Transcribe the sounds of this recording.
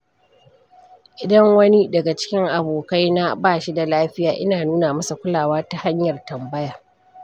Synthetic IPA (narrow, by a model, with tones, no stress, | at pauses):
ʔɪ˦dɐ˦ŋwɐ˦ni˦dɐ˨ɡa˨t͡ʃɪ̥˦kʲɪ˦ŋʔa˨boː˨ka˦jna˦baː˦˨ʃi˦da˨laː˦ɸɪ˦jaː˨ʔɪ˦naː˨nuː˦na˨mɐ˦sa˨kʷʊ˦laː˨waː˦ta˨ha˦ɲjɐ˨rtɐ˨mbɐ˦jaː˨